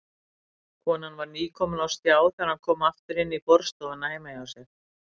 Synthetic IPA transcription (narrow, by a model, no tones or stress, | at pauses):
kʰɔːnanvaɾniːkʰɔːmʏnawst̪jaːwθaɾankʰɔːmaft̪ʏɾɪnːipɔɾ̥st̪ɔðanaːjmajawsɛx